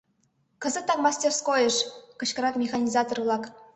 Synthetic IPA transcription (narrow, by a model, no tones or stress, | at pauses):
kɤ̆zɤ̆t̪ːɑkmɑsʲtʲerskojə̆ʂkɤ̆ɕkɤ̆ɾɑkmʲexɑnʲizɑt̪orlˠɑk